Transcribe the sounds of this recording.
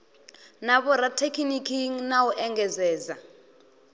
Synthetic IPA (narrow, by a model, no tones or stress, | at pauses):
naβɔɾatʰekʰinikʰiŋnawuʔɛŋɡɛzɛːza